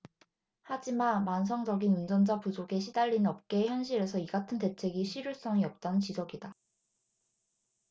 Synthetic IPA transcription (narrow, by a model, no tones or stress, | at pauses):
had͡ʑimanmansʰʌŋd͡ʑʌɡinund͡ʑʌnd͡ʑapud͡ʑoɡe̞ɕʰidaʎːinnʌp̚k͈e̞çjʌnɕʰiɾe̞sʰʌiɡatʰɯnte̞t͡ɕʰe̞ɡiɕʰiɾjuɭs͈ʌŋiʌp̚t͈anɯnt͡ɕid͡ʑʌɡida